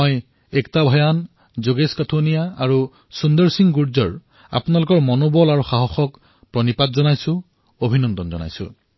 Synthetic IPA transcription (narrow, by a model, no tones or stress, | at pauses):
oj | ɛktabʱɔjan | zoɡeskatʰunijaaɹu | sundɔɹsiŋɡuɹzɔɹ | a̰pʊnalʊkɔɹmɔnobɔlaɹuxaɦɔxɔk | pɹɔnipatzɔnajsʊ̃ | obʱinɔndɔnzɔ̰na̰jsʊ̰̃